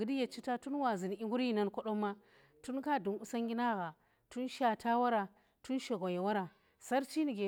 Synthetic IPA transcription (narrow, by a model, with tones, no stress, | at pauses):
ɡi˨di˦ja˨t͡ʃi˦ta˦tu˦nwa˨zi˨n˨i˦ŋɡu˦ɾi˦na˦nko˦ɗo˦mːa˦ | tu˦nka˦du˨nu˦sa˦ŋɡʲi˦na˦ɣa˨ | tu˦nʃa˨tʰa˦wa˦ɾa˨ | tu˦nʃi˨ɣo˨ja˨wa˦ɾa˨ | sa˦ɾt͡ʃi˦ni˨ɡe˨